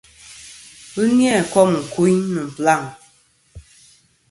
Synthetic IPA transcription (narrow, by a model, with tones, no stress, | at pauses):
bɨ˦njɛ˦˨kɔ˦m˨ŋ̩˨ku˦ɲnɨ˨m̩˨pla˦˨ŋ